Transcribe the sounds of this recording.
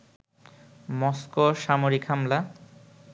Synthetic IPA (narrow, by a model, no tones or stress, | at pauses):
mɔskoʃamoɾikhamla